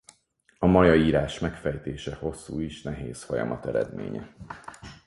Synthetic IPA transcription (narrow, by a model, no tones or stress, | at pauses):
ɒmɒjɒiːɾaːʃmɛkfɛjt̪eːʃɛho̞sːuːiʃnɛɦeːsfo̞jɒ̰mɒt̪ɛɾɛ̰d̪mḛːɲɛ̰